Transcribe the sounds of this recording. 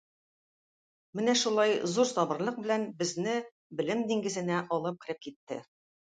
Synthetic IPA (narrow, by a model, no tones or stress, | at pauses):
mɘnæʃulˠɑjzuɾsɒbɤ̆ɾlˠɤq̚bɘ̆lænbɘ̆znɘ | bɘ̆lɘmd̪iŋɡɘ̆zɘ̆næʔɒlˠɤp̚qɘ̆ɾɘp̚kit̪ːɘ̰